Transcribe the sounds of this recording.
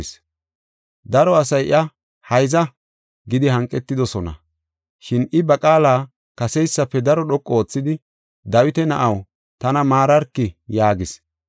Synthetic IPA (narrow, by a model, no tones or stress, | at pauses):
s | d̪ɐɾɔɐsɐjʔɪ̰ɐ | hɐjzɐ | ɡɪd̪ɪhɐŋkʼːɛt̪ːɪd̪ɔsɔnɐ̰ | ʃɪnɪbɐkʼaːlaː | kɐsɛjsːɐpːɛd̪ɐɾɔɗɔkʼːo̞ːt͡sːɪd̪ɪ | d̪ɐwɪt̪ɛnɐʔɐw | t̪ɐnɐmaːɾɐɾkːɪjaːɡɪs